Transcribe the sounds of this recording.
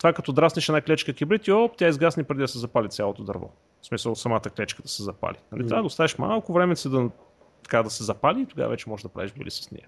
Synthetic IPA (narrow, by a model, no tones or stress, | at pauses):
t̪vakɐt̪ɔd̪ɾasniʃɛnaklɛt͡ʃkəkibɾit̪iopt̪ʲjaizɡasnipɾɛd̪id̪ɐsɛzɐpalʲit̪sʲjalˠot̪od̪ɐ̰ɾvɔ̰ | smisəlˠsɐmat̪əklɛt͡ʃkəd̪ɐsɛzɐpa̰linɐlit̪ɾavəd̪ɐost̪avɛʃma̰lˠkʊvɾɛmɛsid̪ɐ | t̪ɐ̥kad̪ɐsɛzɐpaliːt̪ʊɡa̰vɐ̰vɛt͡ʃɛmɔʒɛd̪ɐpɾa̰viʒbɛ̰lḭsə̥snḭa